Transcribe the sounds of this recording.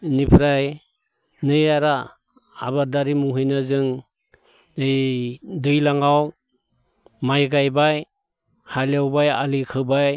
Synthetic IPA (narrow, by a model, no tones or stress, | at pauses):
nipʰɾaj | nɯjaɾa̰ː | βadaɾimuɦɯjnazɯŋ | nɯjdɯjlaŋaw | majɡajbaj | haljawbaja̰likʰɯbaj